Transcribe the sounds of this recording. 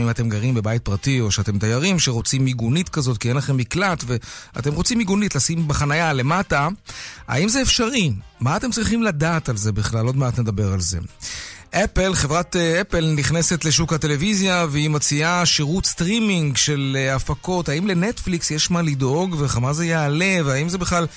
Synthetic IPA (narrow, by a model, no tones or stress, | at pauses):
imate̞mɡaʁimbe̞bajit̚pʁatio̞ʃeate̞mt̪ajaʁimʃeʁo̞t͡simiɡunitkazo̞t̚kienlaχe̞miklatve̞a̰te̞mʁot͡simiɡunitlasimbeχanajale̞mataa̰imzeːfʃaʁimaːt̪e̞mt͡sʁiχimladaːtalze̞biχlalo̞dmaat̪emed̪abe̞ʁalze̞̰ʔepelχevʁat̪epelniχne̞set̪le̞ʃ̬ukhate̞le̞vizjaveimot͡siaʃiʁut̪st̪ʁimiŋɡʃe̞lafako̞thaimle̞netfliksjeʃmalido̞ɡveχamazejeːle̞veaimzebiχlal